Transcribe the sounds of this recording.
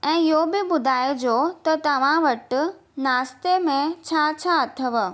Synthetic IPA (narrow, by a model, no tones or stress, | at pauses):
ɛ̃ːɪɦobɪbʊd̪ʱaːɪd͡ʑoːt̪ɐt̪ɐʋ̤ãʋɐʈ | naːst̪emẽt͡ɕʰaːt͡ɕʰaːt̪ʰɐʋə